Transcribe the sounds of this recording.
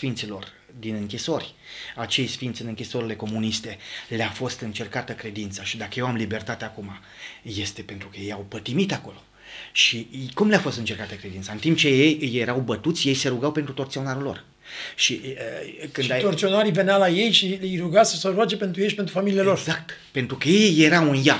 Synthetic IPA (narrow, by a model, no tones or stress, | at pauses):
fint̪silo̞r | d̪inɨŋkʲiso̞rʲat͡ʃe̞jsfint̪sʲɨnɨŋkʲiso̞ɾile̞ko̞munist̪e̞leafo̞st̪ɨnt͡ʃe̞rkat̪əkɾe̞d̪int̪səʃid̪akəjewamlibe̞rt̪at̪eakuma | je̞st̪e̞pe̞nt̪ɾukəjejawpət̪imit̪ako̞lo̞ | ʃikumleafo̞st̪ɨnt͡ʃerkat̪əkɾed̪int̪səɨnt̪imp̚t͡ʃe̞jejje̞ɾawbət̪ut̪sʲje̞jse̞ɾuɡawpet̪ɾut̪o̞rt̪io̞naɾulo̞̰r | ʃiəkɨnat̪ort̪sionaɾivenealaje̞jʃilejɾuɡasəsəɾoad͡ʒepent̪ɾujejʃipent̪ɾufamilileloɾzak̚t̪pe̞nt̪ɾukəje̞jːe̞ɾawunja